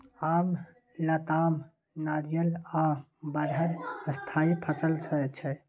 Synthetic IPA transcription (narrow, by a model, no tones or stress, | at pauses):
am | lət̪aːm | naɾijəlabəɾɦəɾst̪ʰaipʰəsəlsət͡ʃʰɛ